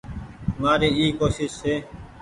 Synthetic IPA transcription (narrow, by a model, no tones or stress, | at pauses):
maːɾiːiːkoːʃɪʃseː